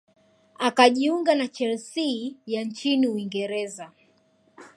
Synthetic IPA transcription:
akaʄiuŋɡanat͡ʃɛlsijant͡ʃiniuwiŋɡɛɾɛza

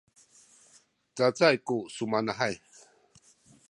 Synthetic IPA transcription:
t͡sat͡sajkusumanaɦaj

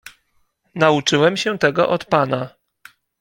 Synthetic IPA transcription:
naut͡ʂɘwɛmɕɛt̪ɛɡɔ̰ʔɔt̪pana

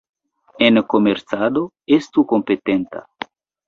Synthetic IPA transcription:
enkomeɾt͡sad̪o | est̪ukompet̪ent̪a̰

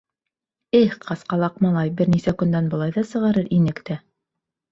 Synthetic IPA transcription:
ɘqɑsqɑlˠɑqmɑlˠɑjbɘɾnisækɵ̆nd̪ænbɤ̆lˠɑjðɑsɤ̆ʁɑɾɤɾʔinɘkt̪æ

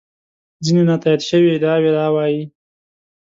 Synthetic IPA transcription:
d͡zinenat̪ɑjad̪ʃəwid̪ɑwelɑwɑji

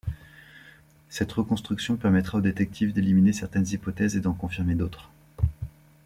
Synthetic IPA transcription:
sɛt̪ʁəkɔ̃st̪χyksjɔ̃pɛʁmɛt̪χaod̪et̪ɛk̚t̪ʰivd̪eliminesɛʁt̪ɛnzipɔt̪ɛzed̪ɑ̃kɔ̃fiʁmed̪ot̪χ

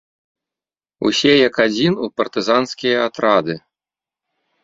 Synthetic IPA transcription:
ṵsʲɛjɐkad͡zʲinupɐrt̪ɨzanskʲijɐat̪ɾad̪ɨ

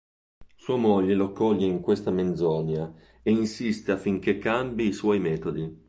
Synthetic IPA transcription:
suːamoʎːeloakːɔlʎːeiŋkwest̪amend̪zɔnja | einsist̪eafːiŋk̟ekːambiːswɔjmɛːt̪od̪i

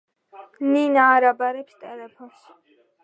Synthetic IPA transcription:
ninaːɾabaɾɛpst̪ʼɛlɛpʰɔns

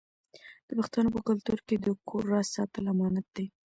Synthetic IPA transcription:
d̪̥əpaxt̪ɑnopəkʊlt̪uɾked̪əkʰoɾːɑssɑt̪əlamɑnat̪̚d̪e

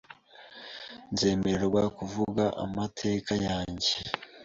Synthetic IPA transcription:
nze̞ːme̞eɾɡwakuvuɡaʔa̰matʰe̞ːkajaːɲɟe̞

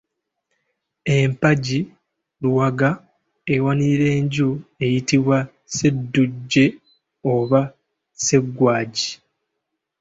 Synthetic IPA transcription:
empaɟi | luwaɡa | ewaniɾe̞ːɲɟue̞jitiβwa | se̞dːuɟːe̞ | oβa | se̞ɡːwaːɟi̥

